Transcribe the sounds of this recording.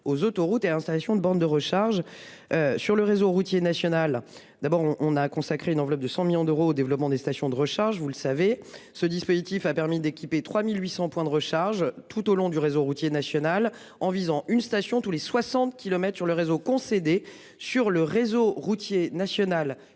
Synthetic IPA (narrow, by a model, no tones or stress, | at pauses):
ozot̪oʁut̪ealɛ̃st̪alasjɔ̃d̪əbɑ̃d̪d̪əʁəʃaʁʒ | øsyʁləʁezoʁut̪jenasjɔnal | d̪abɔʁɔ̃ʔːnakɔ̃sakχeynɑ̃vlɔp̚d̪əsɑ̃miljɔ̃d̪əʁoːd̪evlɔpmɑ̃d̪est̪asjɔ̃d̪əʁəʃaʁʒvulsavesəd̪ispozit̪ifapɛʁmid̪ekʲipet̪χwamilɥisɑ̃pwɛ̃d̪əʁəʃaʁʒt̪ʰut̪olɔ̃d̪yʁezoʁut̪jenasjɔnal | ɑ̃vizɑ̃ʔynst̪asjɔ̃t̪uleswasɑ̃t̪̚kʲilɔmɛt̪χsyʁləʁezokɔ̃sed̪e | syʁləʁezoʁut̪jenasjɔnal